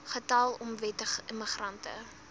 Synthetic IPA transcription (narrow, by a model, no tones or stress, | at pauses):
χətɐlˠɔmvɛtəəməχrɐntə̰